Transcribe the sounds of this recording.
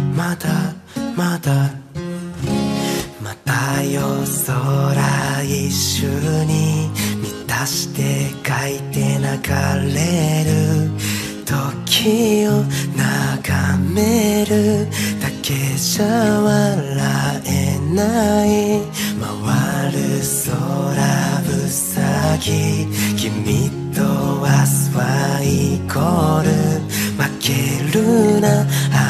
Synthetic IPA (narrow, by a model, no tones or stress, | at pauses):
mat̪amat̪a | mat̪ajosoɾaiɕɯɲ̟imʲit̪aɕi̥t̪e̞kait̪e̞naɡa̰ɾeɾɯ̟ | t̪ʰo̞kʲʰionaɡameɾɯt̪akʰe̞ɕaβalaenai | mawaɾɯsoɾabɯsaɡʲikʲimit̪owasɨβaikʰoɾɯ | makʰeɾɯna